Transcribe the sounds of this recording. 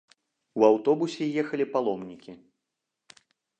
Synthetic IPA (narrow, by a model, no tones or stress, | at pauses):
uawt̪ɔbusʲɛjɛxɐlʲipalˠɔmnʲikʲi